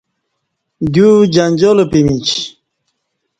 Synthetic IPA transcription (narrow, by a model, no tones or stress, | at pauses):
d̪jud͡ʑanʲd͡ʑolopimit͡ɕ